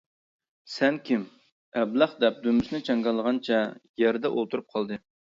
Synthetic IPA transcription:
sɛnkʲim | ɛblæχd̪ɛp̚d̪ømysnɪt͡ʃʰɛŋɡɑlˠːəʁɑnt͡ʃʰɛjɛɾd̪ɛʔolˠt̪ʰuɾup̚qʰɑlˠd̪ɨ

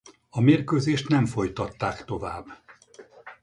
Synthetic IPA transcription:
ɒmeːrkøːzeːʃt̪nɛɱfo̞jt̪ɒt̪ːaːkt̪o̞vaːbː

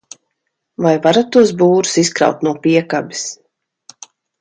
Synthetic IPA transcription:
vajvaɾat̪ːuɔs̬buːɾu̥siskɾa̰wt̪nuɔpiɛkabis

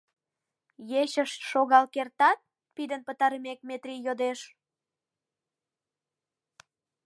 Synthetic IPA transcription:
jeɕəʃʃoɣɑlkert̪ɑt̪̚ | pid̪ənpət̪ɑɾəmek̚met̪rʲijod̪eʃ

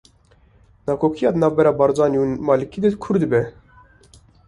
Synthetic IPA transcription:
nɑːkʰoːkʰijɑːd̪nɑːvbɛɾɑːbɑɾzɑːnjumɑːlɨkʰiːd̪ɨkʰʊɾd̪ɨbɛ

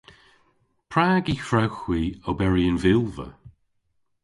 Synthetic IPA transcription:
pʰɹaːɡifɹawxwiːəbɛɹiənvɪlˠvə̰

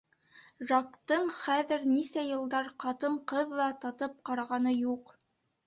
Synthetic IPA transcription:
ʒɑkt̪ɤɴχæðɘɾnisæjɤ̆lˠd̪ɑɾqɑt̪ɤɴqɤðːˠɑt̪ɑt̪ɤp̚qɑɾɑʁɑnɤjuq

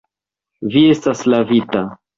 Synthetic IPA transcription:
vie̞staslavita

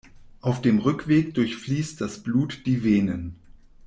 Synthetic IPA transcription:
ʔaʊfd̥eːmʁʏkv̥eːkd̥ʊɐçfliːst̚d̥asb̥luːtd̥iːveːnən

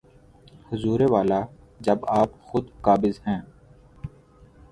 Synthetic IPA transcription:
hʊzuːɾeʋaːlaː | d͡ʒɐbaːpxʊd̪kaːbɪzɦɛ̃ː

